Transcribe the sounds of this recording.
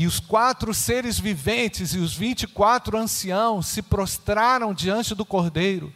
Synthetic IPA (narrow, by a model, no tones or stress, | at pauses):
ɪʊskwat̪ɾʊseɾɪzvivẽnt͡ʃɪzɪʊzvĩt͡ʃikwat̪ɾʊɐ̃siɐ̃w̃sːɪpɾɔst̪ɾaɾɐ̃w̃d͡ʒiɐ̃nt͡ʃɪd̪ʊkoɾd̪ejɾʊ̰